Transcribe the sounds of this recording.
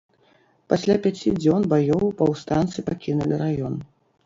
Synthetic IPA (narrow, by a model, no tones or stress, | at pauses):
pasʲlʲapʲat͡sʲid͡zʲɔnbajɔwpɐwst̪ant̪sɨpakʲinulʲiɾajɔn